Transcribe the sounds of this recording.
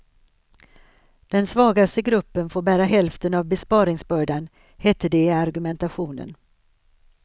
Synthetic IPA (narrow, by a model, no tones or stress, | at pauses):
d̪̥ɛnsvɑːɡast̪əɡɾɵpːənfoːɾbæːɾaɦɛlft̪ənavbɛspɑːɾɪŋsbœːɖan | hɛt̪ːəd̪ɛaɾɡɵmɛnt̪aɧuːnə̰n